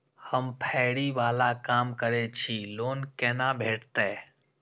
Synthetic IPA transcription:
həmpʰɛːɽiʋaːlakaːmkəɾet͡ʃʰiloːnkɛːnabʱeːʈt̪eː

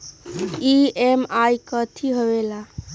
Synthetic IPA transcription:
iemajkət̪ʰiɦəʋela

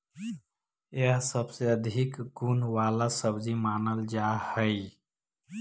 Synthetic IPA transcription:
jəsəbseəd̪ʱikɡunʋaːlasəbd͡ʒimaːnəld͡ʒaːhəj

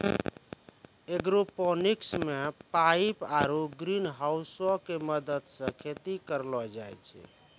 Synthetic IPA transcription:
eɡɾopɔniksmepaipaɾuɡɾinɦawsɔkeməd̪əd̪sə̃kʰet̪ikəɾlɔd͡ʒajt͡ʃʰɛ̰

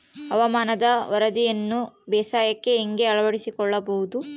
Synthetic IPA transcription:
ɐʋɐmaːnɐd̪ɐʋɐɾɐd̪ijɐnːubɛːsaːjɐkːe̞ːŋɡe̞ɐɭɐʋɐɽisikɔɭːɐbɐɦud̪u

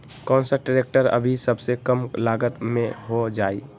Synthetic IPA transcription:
kɔ̃ːnsəʈeɾeːk̚ʈəɾə̰bʱisəbsekəmlaːɡət̪mẽɦod͡ʒaːiː

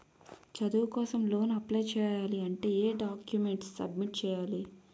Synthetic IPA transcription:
t͡ʃɐd̪uʋkɔːsɐmlo̞ːnɐplɐjt͡ʃɛːjaːliɐɳʈe̞ːeːɖaːkjume̞ɳʈsːɐ̰b̚miʈ̚t͡ʃɛːjaːli

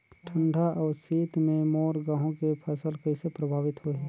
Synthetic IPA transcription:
ʈʰə̃ɳɖʱaʔɔːɾsiːt̪mẽmoːɾɡãːɦõkepʰəsəlkəɪsepɾəbʱaːʋɪt̪ɦoɦɛ

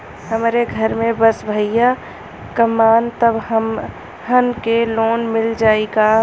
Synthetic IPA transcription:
hɐmːɾeɡʱɐɾmẽbɐsbʱəja | kəmaːnt̪əbɦəm | ɦɐnkeloːnmɪld͡ʒaːeːɡaː

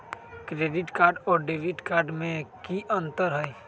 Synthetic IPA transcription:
kɾeːɖɪʈkaːɾɖɔːɾɖeːʋɪʈkaːɾɖmẽkiʔə̃nt̪əɾɦəi

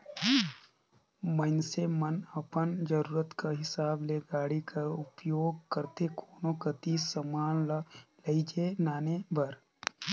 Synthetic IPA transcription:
mənsemənəpənd͡ʒəɾuːɾət̪kaɦɪsaːbleːɡaːɽikʰaʊpjoːɡkəɾt̪ekʰoːnokət̪isəmaːnlleid͡ʒeːnaːnebʱəɾ

